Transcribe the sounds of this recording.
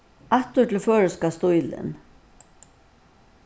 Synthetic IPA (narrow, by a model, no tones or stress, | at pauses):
at̪ʊʈʰɪlføːɹəskast̪ʊjlɪ̰n